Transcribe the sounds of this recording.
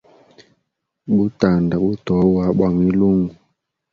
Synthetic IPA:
ɓu˦ta˨nda˨ɓu˦tɔ˨˦wa˦ɓwa˨mi˦lu˦ŋɡu˨

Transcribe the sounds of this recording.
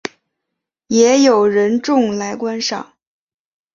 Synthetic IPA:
jɛ˧˥jo˨˩ʊɻə˧˥nʈ͡ʂʊ˥˩ŋla˧˥ɪkwa˥nʂɑ̰˨˩˦ŋ

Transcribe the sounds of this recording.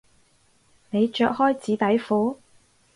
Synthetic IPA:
ne˨˧jt͡ʃœː˧k̚hɔː˥jt͡siː˨˥t̪ɐ˨˥jfuː˨˥

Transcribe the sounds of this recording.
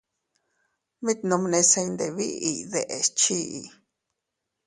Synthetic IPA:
mĩ˦t̪nõ˧m˧nẽ˧sẽ˧jnd̪e˨βḭ˦i˧˨ðe˨ʔe˨st͡ʃi˦˧ḭ˧

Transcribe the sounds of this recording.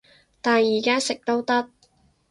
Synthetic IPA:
t̪aː˨njiː˨˩kaː˥sɪ˨k̚t̪o˥wt̪ɐ˥k̚

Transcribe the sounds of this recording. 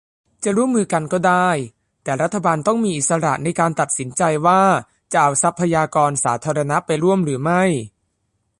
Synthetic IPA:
t͡ɕa˨˩ɾu˥˩əmːɯː˧ka˧nkɔː˥˩daː˥˩j | t̪ɛː˨˩ɾa˦˥t̪ʰːa˧baː˧nt̪ɔ˥˩ŋmiː˧ʔi˨˩t̪̚sa˧ɾa̰˨˩ʔna˧jkaː˧nt̪a˨˩t̪̚si˩˦nt͡ɕa˧jwaː˥˩ | t͡ɕa˨˩ʔa˧wsa˦˥pʰːa˧jaː˧kɔː˧nsaː˩˦t̪ʰaː˧ɾa˧na˦˥pa˧jɾu˥˩əmɾɯː˩˦ma˥˩j

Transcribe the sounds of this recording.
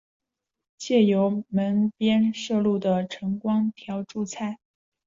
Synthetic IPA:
t͡ɕjɛ˥˩jo˧˥ʊmə˧˥npjɛ˥nʂɤ˥˧lu˥˩d̪ə˩ʈ͡ʂʰɤ˧˥ŋkwɑ˥ŋt̪ʰjɑ˧˥ʊʈ͡ʂu˥˧t͡sʰa˥˩ɪ

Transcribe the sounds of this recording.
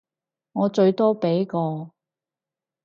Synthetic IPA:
ŋɔː˨˧t͡ʃɵ˧ɥt̪ɔː˥pe˨˥jkɔː˧

